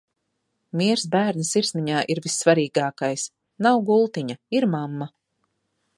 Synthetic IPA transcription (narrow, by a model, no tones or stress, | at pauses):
mʲiɛɾsbæːɾnisiɾsniɲaːʔiɾvisːvaɾiːɡaːkajs | nawɡulˠt̪iɲɐiɾmamːa